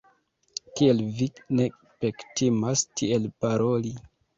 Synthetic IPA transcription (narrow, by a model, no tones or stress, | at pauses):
kielvine̞ | pektimastʰie̞lpaɾʔo̞li